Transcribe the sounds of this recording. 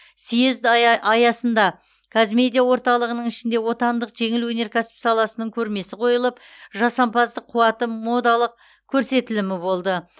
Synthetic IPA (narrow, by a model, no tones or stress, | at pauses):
sijezd̪ɑjɑsənd̪ɑ | kʰazmʲe̞d̪ʲijawo̞ɾt̪ɑlˠəʁənəɴɪʃɪnd̪e̞wo̞t̪ɑnd̪əqʒe̞ŋɪlwɵne̞ɾkʲʰæsɪ̥psɑlˠɑsənəɴkʲʰɵɾme̞sɪqʰo̞jəlˠəp̚ʒɑsɑmpɑzd̪əqʰːuwɑt̪əmo̞d̪ɑlˠəq̚ | kʲʰɵɾse̞t̪ɪlɪmɪbo̞lˠd̪ə